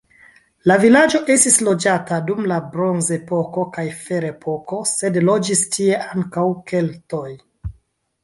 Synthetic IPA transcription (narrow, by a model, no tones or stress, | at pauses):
lavilad͡ʒo̞ʔe̞stislo̞d͡ʒatadumlabɾo̞nze̞po̞ko̞kajfe̞ɾepʰo̞ko̞se̞dlo̞d͡ʒistʰie̞ʔaŋkawke̞ltoj